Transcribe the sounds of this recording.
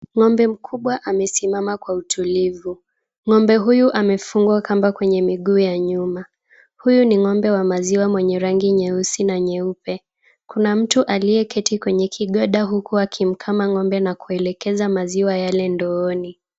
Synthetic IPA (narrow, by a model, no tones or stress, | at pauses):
ŋɔmbɛm̩kʰuɓwaʔamɛsimamakwautʰulivu | ŋɔmbɛɦujuʔamɛfuŋɡwakambakwɛɲɛmiɠuːjaɲuma | hujuniŋɔmbɛwamaziwamwɛɲɛɾaŋɡiɲɛusinaɲɛupɛ | kunam̩tuʔalijɛkɛtʰikwɛɲɛkʰiɠɔɗaɦukuakʰim̩kʰamaŋɔmbɛnakuɛlɛkɛzamaziwajalɛndɔɔni